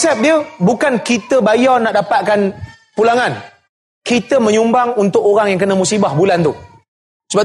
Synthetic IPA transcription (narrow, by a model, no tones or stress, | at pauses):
sɛp̚diəbukankit̪əbajanaʔdapat̪̚kan | pulaŋãn | kit̪əmə̃ɲumbaŋunt̪ʊkoɾaŋjaŋkənəmusibahbulant̪u | səba